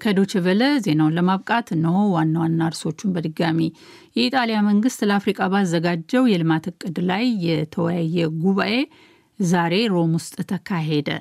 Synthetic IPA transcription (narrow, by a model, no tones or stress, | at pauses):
kʰəd̪ot͡ʃɛβələze̞nawunləmaβkʼat̪nəwwanːawanːaɾso̞t͡ʃːunbəd̪ɨɡami | jɛit̪ʼalijaməŋɡɨst̪ləafɾikʼabazːəɡad͡ʒːəwjɛlɨmat̪ɨkʼːɨd̪lajːɛt̪ʰəwjajːɛɡuβaʔe̞ | zaɾe̞ɾo̞must̪ʼt̪ʰəkʰaɦe̞d̪ə̰